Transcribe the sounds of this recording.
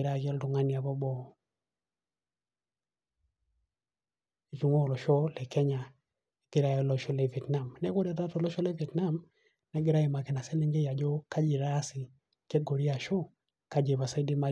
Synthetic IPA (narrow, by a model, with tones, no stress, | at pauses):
ɾa˦˨ɡɛ˦ldʊ˨ŋa˦ni˨a˨bɔ˦bɔ˦˨ | e˨t͡ʃu˨ŋo˦˨lɔ˨ʃɔ˦lɛ˨kɛ˦ɲa˨ | e˨ɡ̥ɪ˦ɾa˦jɔ˨lɔ˨ʃɔ˦le˨vi˨ɛ˨tna˨mnɛ˦kɔ˦dɛ˨da˦tɔ˨lɔ˦ʃɔ˦lɛ˦vi˨ɛ˨tna˦˨m | nɛ˦ɡɪ˦ɾa˦e˨ma˨ke˨na˨sɛ˦li˦ŋɡe˦ja˨d͡ʒɔ˦ka˦d͡ʒi˨ɾaː˦sɪ˨ | ke˦ɡo˨ɾi˦a˨ʃɔ˦ | ka˨d͡ʒe˨ba˨sa˦di˦ma˨